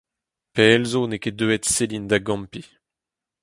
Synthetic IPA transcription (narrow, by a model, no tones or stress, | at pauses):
peɛlzoneked̪øet̪selind̪aɡɑ̃mpi